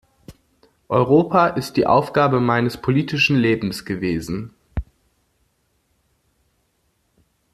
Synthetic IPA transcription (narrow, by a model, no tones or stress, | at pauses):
ʔɔʏʁ̞oːpʰaʔɪst̚d̥iːʔa̰ʊfɡ̥aːbəmaɪnəspʰoliːtɪʃn̩leːbm̩sɡ̥əveːzn̩